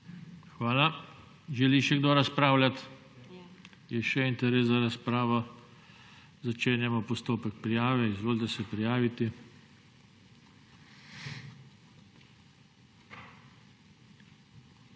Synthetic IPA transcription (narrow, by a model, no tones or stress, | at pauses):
xʋaːla | ʒɛliʃɛɡd̪oɾaspɾaːwlʲat̪ | jɛʃɛint̪ɛɾeːs̬zaɾaspɾaːʋɔ | zat͡ʃeːnjɛmɔpɔst̪oːpɛk̚pɾijaːʋɛizʋoːlt̪ɛsɛpɾijaːʋit̪i